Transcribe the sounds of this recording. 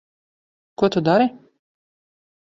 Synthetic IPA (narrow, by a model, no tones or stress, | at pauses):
kuɔt̪ud̪aɾi